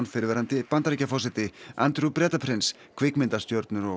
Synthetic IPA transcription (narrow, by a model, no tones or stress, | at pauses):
nfɪɾvɛɾant̪ɪpant̪aɾicafɔsɛt̪ɪa̰nt̪ɾupɾɛːt̪apʰɾɪns | kʰvɪkmɪnt̪ast̪jowɾt̪nʏɾɔ